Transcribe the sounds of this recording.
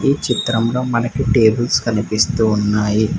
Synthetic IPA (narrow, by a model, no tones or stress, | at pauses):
iːt͡ʃit̪ɾɐmlo̞ːmɐnɐkiʈe̞ːbulskɐnipist̪uːnːaːji